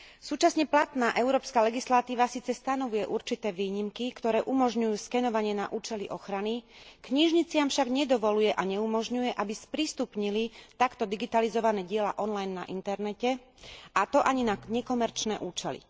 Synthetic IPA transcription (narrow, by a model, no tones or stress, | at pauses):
suːt͡ʃasɲɛplat̪naːʔɛʊɾɔːpskaːlɛɡislat̪iːʋasiːt͡sɛst̪anɔʋujɛʔuɾt͡ʃit̪ɛːʋiːɲimkikt̪ɔɾɛːʔumɔʒɲujuːskɛnɔʋaɲɪɛna̰ʔuːt͡ʃɛliʔɔxɾanikɲiʒɲit͡sɪamfʃaɡɲɛd̪ɔʋɔlujɛʔaɲɛumɔʒɲujɛʔabispɾist̪upɲilit̪akt̪ɔd̪iɡit̪alizɔʋanɛːɟɪɛla̰ʔɔnlajnːa̰ʔint̪ɛɾnɛcɛ | at̪ɔʔaɲinaɲɛkɔmɛɾt͡ʃnɛːʔuːt͡ʃɛlḭ